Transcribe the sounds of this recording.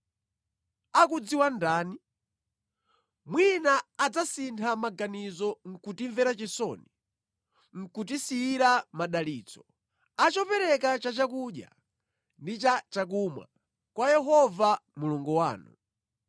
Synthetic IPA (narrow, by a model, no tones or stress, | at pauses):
akud͡ziwandaːni | mwinaːd͡zasintʰamaɡanizɔŋ̩kutiɱvɛɾat͡ʃɛsɔ̰ni | ŋ̩kut̬isiːɾamaɗaliːt͡sɔ̥ | at͡ʃɔpɛɾɛkat͡ʃat͡ʃakuɗja̰ | ndit͡ʃat͡ʃak̬umwa̰ | kwajɛɦɔvamuluŋɡɔwa̰ːnṵ